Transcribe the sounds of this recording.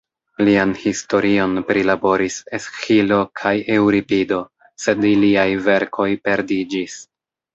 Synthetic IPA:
lianhisto̞ɾio̞npɾilabo̞ɾisesxilo̞kʰajewɾipido̞ | se̞diliajve̞ɾkʰo̞jpe̞ɾdid͡ʒis

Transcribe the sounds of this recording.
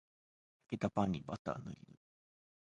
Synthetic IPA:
jaket̪apãɲʲːibat̪a̰ːnɯ̰ɾʲḭɾɯ

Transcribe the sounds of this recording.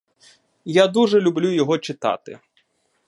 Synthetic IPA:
jad̪uʒɛlʲʊblʲujɔɦɔt͡ʃɪt̪ɑ̰t̪ɪ̰

